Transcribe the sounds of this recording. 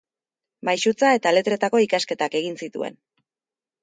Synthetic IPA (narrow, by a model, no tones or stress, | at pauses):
majsut͡sae̞t̪ale̞t̪ɾe̞t̪ako̞ikaske̞t̪ake̞ɣinsit̪ṵe̞̰n